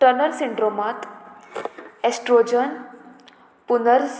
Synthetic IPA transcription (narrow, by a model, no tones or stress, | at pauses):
ʈənəɾsiɳɖɾomat̪ | esʈɾod͡ʑən | punəɾs